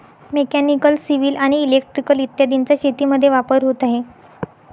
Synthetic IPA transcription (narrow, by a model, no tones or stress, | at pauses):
mekænikəlsiʋiːlaɽ̃iːlek̚ʈɾikəlit̪jad̪int͡ɕjaɕet̪iːməd̪ʱːjeʋapəɾɦot̪aɦe